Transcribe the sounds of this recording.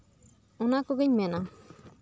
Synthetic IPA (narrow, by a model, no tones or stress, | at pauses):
ɔnakɔɡiɲmɛna